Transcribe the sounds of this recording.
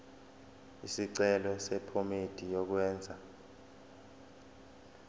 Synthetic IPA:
isiǀɛlɔsɛpʰomed̥ʱijɔk̬wɛːnd͡zʱa

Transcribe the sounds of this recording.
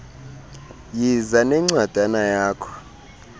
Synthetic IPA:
jizanɛŋ͡ǀwad̥ʱanajaːkʰɔ̥

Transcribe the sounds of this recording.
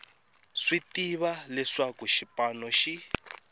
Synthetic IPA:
ʂitiβalɛʂakuʃipanɔʃi

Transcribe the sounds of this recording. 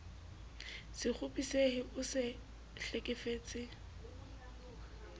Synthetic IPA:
sɪk͡xʰʊpʼisehɪʊsɪ | ɬekʼɪfeːt͡sʼɪ

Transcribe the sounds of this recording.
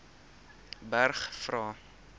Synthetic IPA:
bærχfrɑː

